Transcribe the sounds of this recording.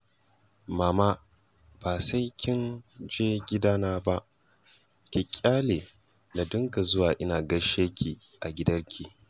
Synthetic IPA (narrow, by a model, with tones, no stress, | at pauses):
maː˨ma˦ | b̥aː˨sa˦jkʲɪ˦nd͡ʒeː˦ɡʲɪ˦daː˦naː˦ba˦ʔ | kʲɪ˨kʲʼːaː˦leː˨ | na˨dʊ˦ŋka˨zʊ˦waː˨ʔɪ˦naː˨ɡɐ˦ʃeː˦kʲʰiː˨ʔa˨ɡʲɪ˦dɐ˦rkʲʰi˨